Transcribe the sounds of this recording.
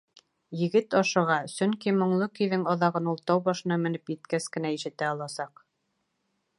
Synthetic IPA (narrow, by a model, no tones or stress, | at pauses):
jɘ̆ɡɘt̪ɑʃɤ̆ʁɑsɵŋkimŏɴlˠɤkɵ̆jðɘŋɑðɑʁɤnulˠt̪ɑwbɑʃɤ̆nɑmɘ̆nɘpjɘ̆t̪kæskɘ̆næiʃɘ̆t̪æɑlˠɑsɑq